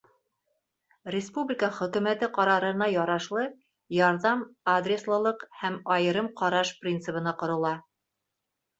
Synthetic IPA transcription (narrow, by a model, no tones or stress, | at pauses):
rʲɪspublʲɪkəχɵ̆kʉ̆mæt̪ɘqɑɾɑɾɤ̆nɑjɑɾɑʃlˠɤ | jɑɾðɑmad̪rʲeslˠɤ̆lˠɤqhæmɑjɤ̆ɾɤmqɑɾɑʃprʲint̪sɨ̆pɤ̆nɑqŏɾɤ̆lˠɑ